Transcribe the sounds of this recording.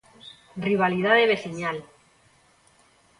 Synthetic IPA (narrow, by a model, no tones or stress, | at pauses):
rriβ̞aliðaðeβ̞e̞siɲal